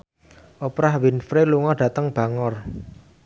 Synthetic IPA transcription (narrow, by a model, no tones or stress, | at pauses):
ʔopɾahwinfɾeluŋɔɖ̥ä̤t̪əŋb̥a̤ŋɔr